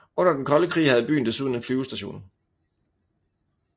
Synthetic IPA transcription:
ɔ̽n̰ɐd̥enkʰɒ̽ləkʰʁḭːhæð̩ˠb̥y̰ːn̩d̥esuðˠn̩enflyːʊsd̥æɕo̝̰ːn

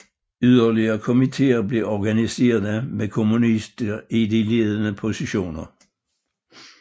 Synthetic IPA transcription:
yðˠɐliɐkʰomit͡sʰe̝̰ːɐb̥le̝ʔɒɡ̥ænise̝̰ːɐðˠəmekʰomunisd̥əid̪ile̝ðˠənəpʰo̝siɕo̝̰ːnɐ

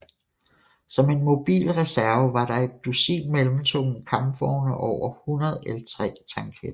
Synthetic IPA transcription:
sɒ̽me̝nmo̝b̥ḭːlʁɛsæɐʊʋɑ̈ɾ̥ɑ̈e̝d̥ːusḭːnmelm̩t͡sʰo̝̰n̩kʰɑ̈m̥fɒʊnəʔɒʊ̰ɐhunɐð̞ˠelɐt͡sʰʁɛ̰ːt͡sʰɑ̈ŋkʰed̥ɐ

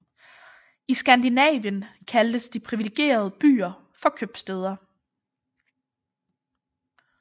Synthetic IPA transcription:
isɡ̥ænd̥inɛ̰ːʋjənkʰæld̥əsd̥ipʰʁiʋileɡ̥e̝̰ːɐð̞ˠb̥y̰ːɐ | fɒ̽kʰøb̥sd̥eð̞ˠɐ

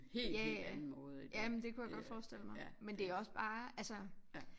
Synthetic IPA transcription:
he̝ljææmɔð̩ˠjæmnd̥e̝kʰujaɡ̥ɒ̽d̥fɒːsd̥el̰əmɑ̈mend̥e̝æɒ̽sb̥ɑ̈ːælsə

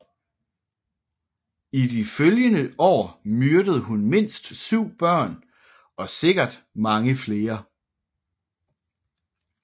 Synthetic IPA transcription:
id̥iføljənəʔɒ̰ːmyɐɾ̥əð̞̩ˠɦunme̝n̰sd̥syʊ̰b̥ɶɐ̰n | ɒ̽se̝ɡ̥ɐd̥ | mɑ̈ŋəfle̝ːɐ

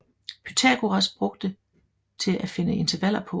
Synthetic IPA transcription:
pʰyt͡sʰæ̰ɡ̥uʁɑsb̥ʁɔ̽ɡ̥d̥ə | t͡sʰe̝lʔæfe̝nəe̝nt͡sʰɐʋæl̰ɐpʰɒ̽

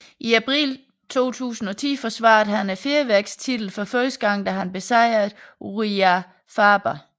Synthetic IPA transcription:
ʔiæpʰʁḭːl | t͡sʰo̝̰ːt͡sʰṵːsn̩ɒ̽t͡sʰḭːfɒsʋɑ̰̈ːd̩ˠɦænæfeːɐʋæɐɡ̥st͡sʰid̥l̩fɒ̽føsd̥ɡ̥ɑ̈ŋ̰nd̥æɦænb̥e̝sɑ̈ɪ̰ɐʁiæ | fɑːb̥ɐ

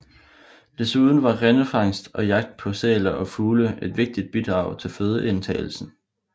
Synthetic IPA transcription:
d̥e̝suð̞ˠn̩ʋɑ̈ʁenəfɑ̈ŋ̰sd̥ɒ̽jɑ̈ɡ̥̚d̥̚pʰɒ̽seːlɐʔɒ̽fuːləe̝d̥ʋe̝ɡ̥̚d̥id̥̚b̥id̥ʁɑ̈ʊt͡sʰe̝lføːð̞ˠəʔe̝nt͡sʰɛ̰ːɪl̩sn̩

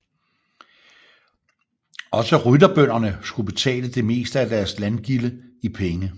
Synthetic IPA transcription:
ɒ̽səʁyd̥ɐb̥øn̰ɐnəsɡ̥ub̥e̝t͡sʰɛ̰ːləd̥e̝me̝̰ːsd̥əæd̥æɐslænɡ̥iləipʰeŋə

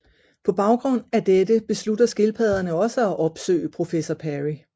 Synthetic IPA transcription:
pʰɒ̽b̥ɑ̈ʊɡ̥ʁɔ̽n̰æd̥ed̥əb̥e̝slud̥ɐsɡ̥e̝lpʰɛðˠɐnəɒ̽səæʔɒ̽b̥sø̰ːəpʰʁo̝fesɒpʰæʁi

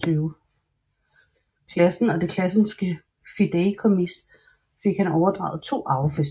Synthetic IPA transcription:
yʊ | kʰlæsn̩ɒ̽d̥e̝kʰlæsn̩sɡ̥ə | fid̥eːkʰomis | fe̝ɡ̥hænɒʊɐd̥ʁɑ̰̈ʊð̩ˠt͡sʰo̝̰ːʔɑ̈ʊfes

